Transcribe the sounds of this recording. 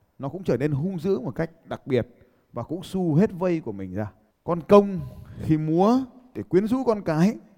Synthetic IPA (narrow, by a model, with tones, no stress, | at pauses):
nɔ˨˦kʊ̰˧˥ŋ͡mt͡ɕəː˧˩ne˧nɦʊ˧ŋ͡mzɨ̰˧˥əmo˨˩t̚ka˦˥jk̟̚ɗa˨˩k̚ɓi˨˩ət̚ | vaː˨˩kʊ̰˧˥ŋ͡msu˧ɦe˦˥t̚və˧jku˧˩əmï˨˩ŋ̟zaː˧ | kɔ˧nkə˧wŋ͡mxi˧mu˨˦ət̪ʰe˧˩kwi˨˦ənzṵ˧˥kɔ˧nkaː˨˦j